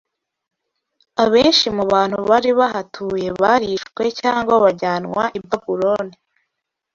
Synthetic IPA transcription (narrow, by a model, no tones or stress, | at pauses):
aβe̞ːnʃimuβaːn̥huβaɾiβaɦatʰuːje̞βaɾiʃkwe̞caːŋɡwaβaɟaːnŋwa̰ʔibvaɡuɾoni